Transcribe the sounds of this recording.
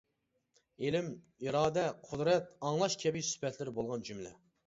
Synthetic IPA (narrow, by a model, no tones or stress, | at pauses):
elɪm | iɾɑːd̪ɛqʰʊd̪ɾɛt̪̚ɑŋlˠɑʃkʲʰɛbɪksy̥pʰɛt̪lɪɾɪbolˠʁɑnd͡ʒymlɛ̰